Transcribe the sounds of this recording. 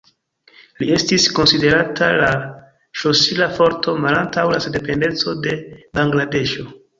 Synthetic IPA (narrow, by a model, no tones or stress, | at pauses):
lie̞stisko̞nside̞ɾatala | ʃosilafo̞ɾtʰo̞malantawlasede̞pe̞nde̞t͡so̞de̞baŋɡlade̞ʃo̞